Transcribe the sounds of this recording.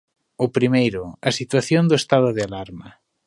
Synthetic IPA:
ʊpɾimejɾʊɐsit̪waθjond̪ʊest̪aðʊðealaɾmɐ

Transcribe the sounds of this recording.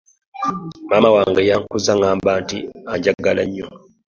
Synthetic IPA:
maːmawaːŋɡajaːŋkuzaŋaːmbaːntiaɲɟaɡalaɲːo

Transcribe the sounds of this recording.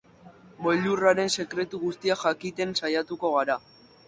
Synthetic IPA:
mo̞ʎuraɾe̞nse̞kɾe̞t̪uɣust̪iaʝakit̪e̞nsajat̪uko̞ɣ̞aɾa

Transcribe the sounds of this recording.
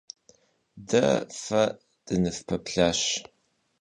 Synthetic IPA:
dɐ̰fɐ | dʼɨnɨfpʰɐpɬaːɕ

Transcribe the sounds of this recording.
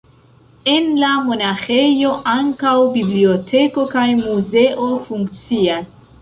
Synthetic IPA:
e̞nlamo̞naxe̞jo̞ʔaŋkawbiblio̞tʰe̞ko̞kajmuze̞ʔo̞fuŋkt͡sias

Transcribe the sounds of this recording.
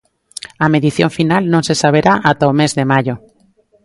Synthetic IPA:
ameðiθjõɱfinalnõnsesaβ̞eɾaʔat̪aomezðemaʝo

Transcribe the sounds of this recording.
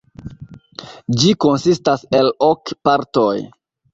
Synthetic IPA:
d͡ʒiko̞nsistase̞lokpaɾtoj

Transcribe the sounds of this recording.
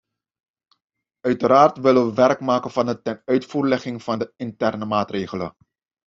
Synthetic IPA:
œɥtəɾaːrtʋɪləʋəʋɛrkmaːkənvɑnətɛnœɥtfuːrlɛχɪŋv̥ɑndəɪntɛrnəmaːtreːχələ̰

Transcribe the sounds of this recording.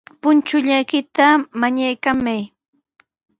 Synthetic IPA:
pʊnt͡ʃʊʎajkɪt̪amaɲajkamaj

